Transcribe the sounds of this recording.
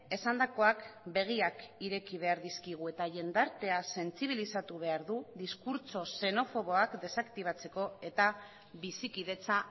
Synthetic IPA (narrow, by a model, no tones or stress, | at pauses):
e̞sand̪ako̞akbe̞ɣ̞iakiɾe̞kiβ̞e̞aɾðiskiɣ̞ue̞t̪aʝe̞nd̪aɾt̪e̞ase̞nt͡siβ̞ilisat̪uβ̞e̞aɾðuðiskuɾt͡so̞se̞no̞fo̞β̞o̞akd̪e̞sakt̪iβ̞at͡se̞ko̞e̞t̪a | βisikiðe̞t͡sa